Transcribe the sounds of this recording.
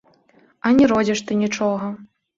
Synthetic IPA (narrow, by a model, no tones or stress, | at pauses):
ɐnʲɛɾɔd͡zʲiʂt̪ɨnʲit͡ʂɔɣɐ